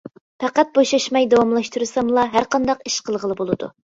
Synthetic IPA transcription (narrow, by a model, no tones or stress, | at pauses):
pʰæqæt̪̚boʃɑʃmɑjd̪ɑwɑmlˠɑʃt̪uɾɨsɑmlˠɑɦæɾqɑnd̪ɑqiʃqʰəlˠʁəlˠɨbolˠɨd̪ṵ